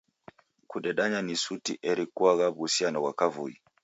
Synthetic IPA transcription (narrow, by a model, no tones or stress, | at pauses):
kuɗɛɗaɲanisutiʔɛɾikwaɣaβusianɔwakavṵi